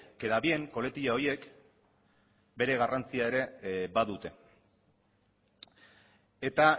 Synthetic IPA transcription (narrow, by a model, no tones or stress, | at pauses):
ke̞ðaβie̞ŋko̞le̞t̪iʎao̞je̞k | be̞ɾe̞ɣarant͡siae̞ɾe̞baðut̪e̞ | e̞t̪a